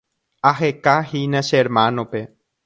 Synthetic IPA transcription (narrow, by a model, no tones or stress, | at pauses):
aɦekahinaʃeɾmãnõpe